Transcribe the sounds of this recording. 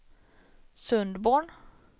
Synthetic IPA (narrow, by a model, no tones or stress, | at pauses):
sɵnd̪boːɳ